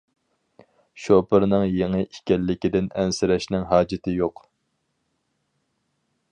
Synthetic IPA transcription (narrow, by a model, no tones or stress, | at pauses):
ʃopɨɾnɨŋjeŋɨʔikʲɛlːɪkʲid̪ɪnɛnsɪɾɛʃnɪŋɦɑːd͡ʒɪt̪ʰɪjoq